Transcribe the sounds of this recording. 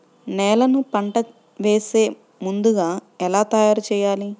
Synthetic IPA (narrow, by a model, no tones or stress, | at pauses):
nɛːlɐnupɐɳʈɐ | ʋeːse̞ː | mund̪uɡaːɛlaːt̪ɐjaːɾt͡ʃɛːjaːli